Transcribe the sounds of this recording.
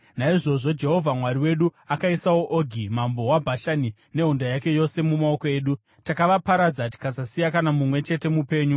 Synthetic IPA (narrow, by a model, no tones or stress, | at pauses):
naiʐo̞ʐo̞d͡ʒe̞ɦo̞vʱamwaɾiwe̞ɗuakaisawo̞ʔoɡʱimambo̞wabʱaʃani | ne̞ɦundajake̞jo̞se̞mumao̞koe̞ːɗu | takaʋapaɾad͡zati̥kasasijakanamumwe̞t͡ʃe̞te̞mupe̞ːɲu